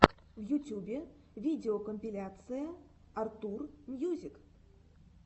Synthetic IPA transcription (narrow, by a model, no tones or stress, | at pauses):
vjutʲubʲe | vʲidʲɪokomʲpʲɪlʲat̪sɨjəart̪urmʲjuzʲik